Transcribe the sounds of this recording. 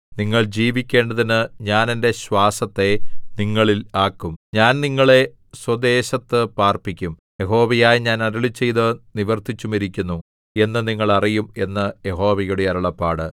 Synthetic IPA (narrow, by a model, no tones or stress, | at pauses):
niŋːɐɭd͡ʑiːʋikʲːe̞ːɳɖɐðinɨɲaːnende̞ɕwaːsɐt̪ːe̞niŋːɐɭilaːkːumɲaːnniŋːɐɭe̞ | swɐd̪e̞ːɕɐt̪ːɨpaːrpikʲːum | je̞ɦo̞ːʋɐjaːjɲaːnɐɾɐɭit͡ɕːe̞jðɨniʋɐrt̪ʰit͡ɕːumeɾikʲːunːu | e̞nːɨniŋːɐɭɐrijume̞nːɨje̞ɦo̞ːʋɐjuɽeɐɾɐɭɐpːaːɽɨ